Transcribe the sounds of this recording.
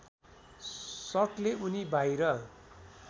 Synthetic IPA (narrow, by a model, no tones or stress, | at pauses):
sʌʈleunibʱajɾʌ